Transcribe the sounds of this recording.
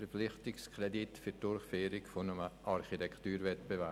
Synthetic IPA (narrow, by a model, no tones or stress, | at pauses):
ɛplɪχtɪkskʰrɛditfyd̥ʊɾχfeːɾɪkfonəməʔɑɾχitɛktyːɾvɛtb̥evæ